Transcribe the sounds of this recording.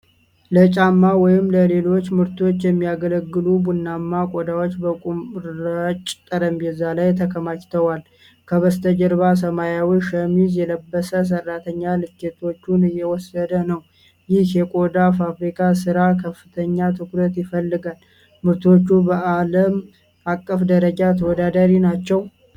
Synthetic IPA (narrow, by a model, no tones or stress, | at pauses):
lət͡ʃʼamːawɔjɪmləle̞lo̞t͡ʃːmɨɾt̪ʰo̞t͡ʃːjɛmːijaɡələɡːɨlubunːamːakʼod̪awot͡ʃːbəkʼumɾət͡ʃʼt̪ʼəɾəmjɛzːalajt̪ʰəkʰəmat͡ʃt̪ʰəwal | kʰəβəst̪ʰəd͡ʒəɾβas̬əmajawiʃəmizjɛləbːəsəs̬ərːat̪ʰəɲːalɨt͡ʃːet̪ʰo̞t͡ʃːunɨjːɛwɔsːəd̪ənəw | jɪhjɛkʼod̪afafɾikʰʼasɨɾakʰəfːɨt̪ʰəɲːat̪ʰɨkɾət̪jɪfəlːɨɡal | mɨɾt̪o̞t͡ʃːubəʔaləm | akʼːəfd̪əɾəd͡ʒat̪ʰəwɔd̪ad̪aɾinat͡ʃːɛw